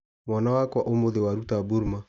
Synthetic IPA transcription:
mwanawakwaʔomoðewaɾutaboɾma

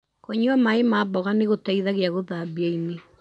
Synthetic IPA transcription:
koɲuamaemaːbɔɣaneɣotaiðaɣeaɣoðabiaine

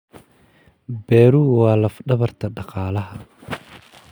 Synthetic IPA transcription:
bɛːɾuːwɑːlɐfɖɐβɐrt̪ʰɐɖɑqɑːlɐɦɐ

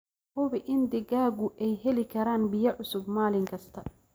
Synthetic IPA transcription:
hʊβɪʔɪnd̪ɪɣaːɣʊʔɛjɦɛlɪkʰɐɾaːnbɪjɐʕʊsʊbmaːlɪŋkʰɐst̪ʰɐ

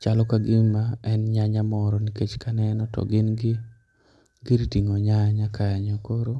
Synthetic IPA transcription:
t͡ʃalɔkaɡɪmaɛnɲaɲamɔɾɔniket͡ʃkanɛnɔtɔ̰ɡɪnɡɪ | ɡɪɾitiŋoɲaɲakajaɲɔkoɾo

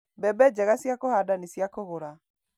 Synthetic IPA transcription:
bɛbɛd͡ʑɛɣasjakohadanisjakoɣoɾa

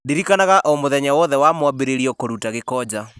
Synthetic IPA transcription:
ndeɾikanaɣaʔomoðɛɲawɔðɛwamwabeɾeɾiɔkoɾutaɣekɔːd͡ʑa

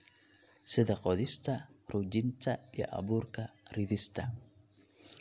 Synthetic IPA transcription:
sɪðɐqɔðɪst̪ʰɐ | rud͡ʒɪnt̪ʰɐijɔ̰ʔɐ̰βuːrkʰɐrɪðɪst̪ʰɐ

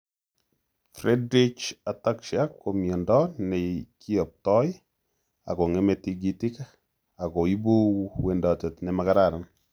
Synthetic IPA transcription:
frɛdɾit͡ʃatakʃakomjɔndɔnɛkiɔp̚tɔj | a̰koŋɛmɛtiɡitɪk | akoibuwendɔtɛtnɛmakaɾaɾan

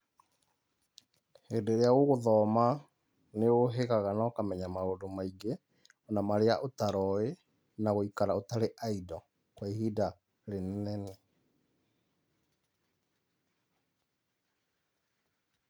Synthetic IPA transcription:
hendeɾeaɣoɣoðɔma | neoɦeɣaɣanaokamɛɲamaodomaiɡe | ɔnamaɾeaʔotaɾɔe | naɣoikaɾaotaɾeʔaidɔ | kwehida | ɾennɛne

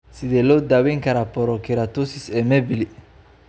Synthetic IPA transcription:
sɪðɛlɔːd̪awɛŋkʰɐɾapɔɾɔkʰɪɾat̪usɪsɛːmɛbɪli

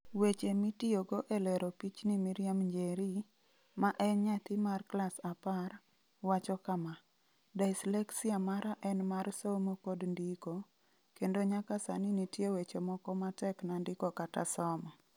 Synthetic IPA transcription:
wet͡ʃemitioɡoʔelɛɾopit͡ʃnimiɾɪjamɲd͡ʒeɾi | maʔɛnɲat̪ɪmarklasapar | wat͡ʃɔkama | daɪslɛksiamaɾaʔɛnmarsomokodndiko | kendoɲakasa̰nɪnitjewet͡ʃemɔkɔmatɛknandɪkɔkata̰sɔmɔ

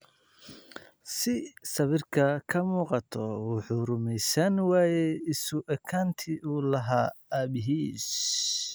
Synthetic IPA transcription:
sɪsɐβɪrkʰɐkʰɐmuːqɑt̪ʰɔʊħʊɾʊmɛjsɐnwaːjɛɪsʊʔɐkʰaːnt̪ʰiuːlɐɦaːaːbɪɦiːs

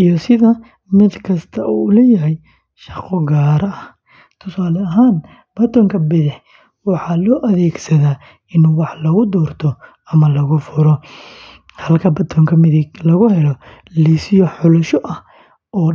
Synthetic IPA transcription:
ʔijɔsɪðɐ | mɪd̪kʰɐst̪ʰɐʔuːʊlɛːjɐɦɛj | ʃɑqɔɡaːɾɐʔɐ | t̪ʰʊsaːlɐɦaːn | b̥ɐt̪ʰɔːŋkʰɐbɪðɪħ | wɑħɑːlɔːʔɐðɛːɡsɐðaː | ɪnwɑħlɐɣʊd̪ɔːrt̪ʰɔ | ɐmɐlɐɣʊfʊɾɔ | hɐlkʰɐbɐt̪ʰɔŋkʰɐmɪðɪlɐɣʊhɛlɔ | lisɪjɔħʊlʊʃɔʔɐ | ʔɔː

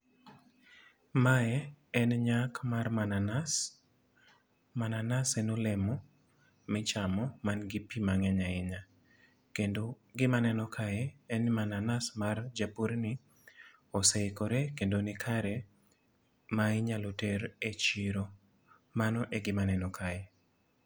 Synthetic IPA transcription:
maɛɛnɲakmarmanans | mananasɛnolɛmɔ | mɛt͡ʃamɔmanɡipimaŋɛɲaɪɲa | keno | ɡɪmanɛnɔkʰaɛɛnmananasmard͡ʒapuɾnɪ | osejkoɾekendonɪkʰaɾɛ | maɪɲaloteɾet͡ʃiɾo | manɔʔeɡɪmanɛnɔkʰajɛ

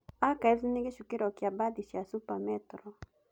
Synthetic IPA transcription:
akaɛzinɪɡeʃukiɾɔkjabadiʃiasupamɛtɾɔ

